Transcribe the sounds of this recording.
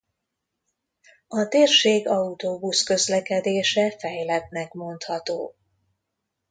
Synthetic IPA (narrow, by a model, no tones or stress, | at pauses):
ɒt̪eːrʃeːɡɒut̪oːbuskø̞zlɛkɛd̪eːʃɛfɛjlɛb̚nɛkmo̞nt̪hɒt̪oː